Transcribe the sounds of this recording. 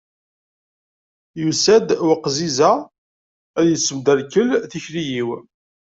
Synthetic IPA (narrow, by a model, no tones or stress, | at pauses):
jusæd̪wəqːzizæ | æðjəsːəmd̪ælkəlθiçɾijiw